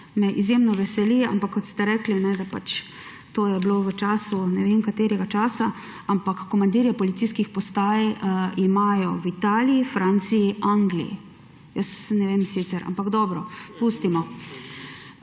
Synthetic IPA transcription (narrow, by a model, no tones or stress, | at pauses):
mɛʔizjemnɔʋɛsɛlia̰mpakʰːɔt̪st̪ɛɾɛklinɛd̪apat͡ʃ | t̪oːjɛbloʋət͡ʃaːsunɛʋenkat̪eːɾɛɡat͡ʃaːsa | ampakːɔmand̪iːɾjɛpɔlit̪siskixpɔst̪aːjimaːjɔwit̪aːliifɾaːnt̪siiʔaŋɡlḭjḭ | jəsnɛʋeːmsit̪sɛɾa̰mpaɡd̪ɔːbɾɔpust̪imɔ